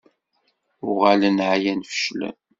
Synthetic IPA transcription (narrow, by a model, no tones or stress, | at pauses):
ʊʁalənʕajænfə̥ʃlæ̰n